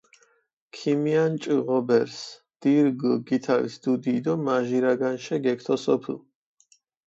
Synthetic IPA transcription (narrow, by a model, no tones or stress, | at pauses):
kʰimiant͡ʃʼiʁɔbɛɾs | d̪̥iɾɡɡit̪ʰavḭsd̪ud̪iːd̪ɔmaʒiɾaɡanʃɛɡɛkʰt̪ʰɔsɔpʰlˠ